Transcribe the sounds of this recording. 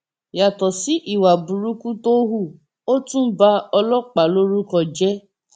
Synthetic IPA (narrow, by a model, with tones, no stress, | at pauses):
ja˨tɔ˨si˦ʔi˨wa˨bu˨ɾu˦ku˦to˦ɦu˦˨ | o˦tũ˦ba˦ɔ˧lɔ˦k͡pa˨lo˦ɾu˦kɔ˧˨d͡ʒɛ˦